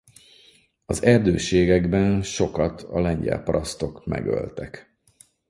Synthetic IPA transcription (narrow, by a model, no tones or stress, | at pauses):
ɒzɛrd̪øːʃeːɡɛɡbɛnʃo̞kɒt̪ʰɒlɛɲɟɛ̰lpɒɾɒst̪o̞kmɛ̰ɡø̰lt̪ɛk